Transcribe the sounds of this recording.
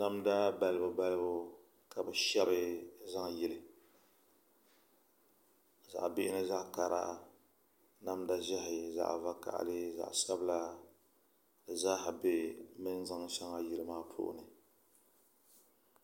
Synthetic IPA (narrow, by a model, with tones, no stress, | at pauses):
na˦mda˦ba˨lɨ˦bʊ˨ba˦lɨ˦bʊ˦ | ka˨bɨ˨ʃɛ˦bɨ˦za˦ŋ˨jɪ˦lɨ˨ | za̰˨ʔbɪ˦ʔɪ˦nɨ˦za˦ka˨ɾa̰˦ʔa˨ | na˦mda˦ʒɛ˦ɦɪ˨za̰˨ʔva˦ka̰˨ʔa̰˨lɪ˦za̰˨ʔsa˦bɨ˦la˦ | dɨ˨za˦ɦa˨be˦mɨ˦n˦za˦ŋsa˦ŋa˦jɪ˦lɨ˦maː˦pʰo̰ː˦ʔʊ̰˨nɨ˨